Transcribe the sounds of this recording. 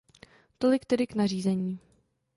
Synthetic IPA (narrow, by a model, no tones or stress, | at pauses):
t̪o̞lɪkt̪ɛdɪknar̝iːzɛɲiː